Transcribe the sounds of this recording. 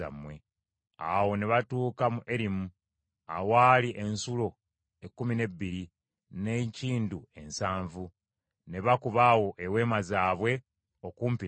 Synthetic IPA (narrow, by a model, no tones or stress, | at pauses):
a̰mwe̞ | awo̞ne̞βatuːkamuʔeɾimu | awaːliʔe̞nsulo̞ | ekːumine̞bːiɾi | neciːndue̞nsaːɱvu | ne̞βakuβaːwo̞ʔewe̞ːmazaːβwe̞ | okuːmpi